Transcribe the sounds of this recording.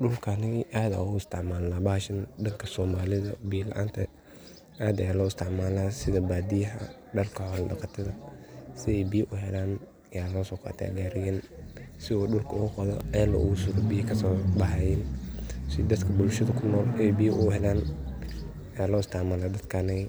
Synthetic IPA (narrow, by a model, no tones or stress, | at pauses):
ɖʊlkʰɐɐnɪɣiʔaːd̪a̰ʊɪst̪ʰɪʕmaːlːaːbaːʃɐndɐŋkʰɐsɔːmaːlɪðɐbiːlɐ̰ʔa̰ːnt̪ʰɐ | ʔaːd̪ɐjaːlɔːɪst̪ɪʕmaːlaːsɪðɐbaːd̪ɪjɐɦɐ̰ | ɖɐrkʰɐʕɔlɖɑqɑt̪ʰɐðɐsɪɛjbiːʔʊɦɛlaːn | ɐjaːlɔːsɔːqɑ̰ːt̪ʰa̰ːɡaːɾɪjɛnsɪɔːɗʊlkʰɐʊɣʊqɑðɔ̰ɛːlɐ̰ʔʊ̰ɣʊsʊɾɔbiːkʰɐsɔːbɐħajɛnsɪd̪ɐd̪kʰɐbʊlʃɐðɐkʰʊnːɔːlɛɛjbijʔʊhɛlaːn | jaːlɔːɪst̪ʰɛʕmaːlaːd̪ɐd̪kʰɐnɐɣɪ